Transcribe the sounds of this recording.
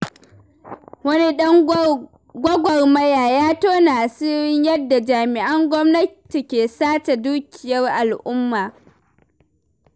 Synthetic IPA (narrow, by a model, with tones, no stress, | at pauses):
wɐ˦ni˦ɗɐ˦ŋ | ɡʷɐ˦ɡʷɔ˨rmɐ˦jaː˨jaː˦toː˦naː˨si˦ɾɪ˦ɲjɐ˦dːa˨d͡ʒaː˨mɪ˨ʔɐ˦ŋɡʷɔ˦mnɐ˦ti˨kʲeː˨saː˦ta˨duː˦kʲɪ˨jɐ˦rʔa˨lʔʊ˦mːaː˨